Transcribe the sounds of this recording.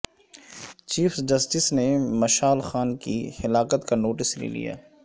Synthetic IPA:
t͡ʃiːfsd͡ʒɐsʈɪsnemɐʃaːlxaːnkihɪlaːkət̪kanoːʈɪslḭlḭja̰ː

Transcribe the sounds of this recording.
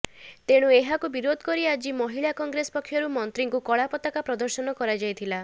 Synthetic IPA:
t̪eɽ̃ueɦakubiɾod̪ʱɔkɔɾiad͡ʒimɔɦiɭakɔŋɡɾesɔ̥pɔkʰːjɔɾumɔnt̪ɾiŋkukɔɭapɔt̪akapɾɔd̪ɔɾsɔnɔkɔɾad͡ʒajt̪ʰila

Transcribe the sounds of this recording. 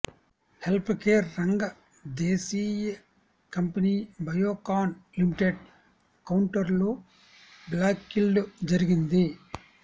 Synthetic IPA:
helpʰkeːɾːɐŋɡɐ | d̪eːsijɐ | kɐmpɐniːbʱɐjoːkaːnlimiʈeɖ | kɐwɳʈɐɾluː | blaːkːilɖud͡ʒɐɾiɡind̪i

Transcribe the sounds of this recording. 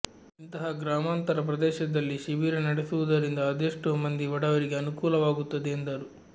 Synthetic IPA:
int̪ɐɦɐɡɾaːmaːnt̪ɐɾɐp̬ɾɐd̪ɛːʃɐd̪ɐlːiʃiʋiːɾɐnɐɽesuʋud̪ɐɾind̪ɐːd̪eːʂʈumɐnd̪iʋɐɽɐʋɐɾiɡeɐnukuːlɐʋaːɡut̪ːɐd̪eːnd̪ɐɾu

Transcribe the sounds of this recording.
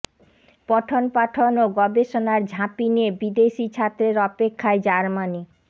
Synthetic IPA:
pɔʈʰonpaʈʰonoɡɔbeʃonaɾd͡ʑʱãpiniebid̪eʃit͡ɕʰat̪ːɾeɾɔpekʰːaed͡ʑaɾmani

